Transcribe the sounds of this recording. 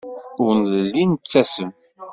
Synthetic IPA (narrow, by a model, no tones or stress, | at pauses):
ʊɾnðəlːint͡sːæsəm